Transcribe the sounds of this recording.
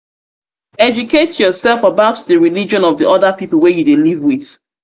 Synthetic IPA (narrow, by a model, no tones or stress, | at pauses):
ɛd͡ʒuketjɔsɛlfəbaʊtðəɹilid͡ʒɔ̃nɔvðiʔɔdəpipəl̩ˠwɛjudelivwiθ